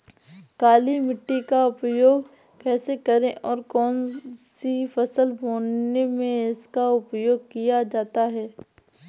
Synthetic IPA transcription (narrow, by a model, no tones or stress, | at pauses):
kaːlimɪʈːikaʊpjoːɡkɛːsekɐɾẽʔɔːɾkɔːnsifɐsəlboːnnemẽɪskaʊpjoːɡ̚kijad͡ʒaːt̪aɦɛː